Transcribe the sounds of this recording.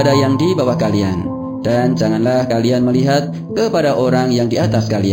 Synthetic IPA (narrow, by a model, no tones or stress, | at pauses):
dajaŋdibawahkalia̰n | d̥and͡ʒaŋanlahkalianməliɦat̪̚ | kəpadaʔoɾaŋjaŋdiat̪askalia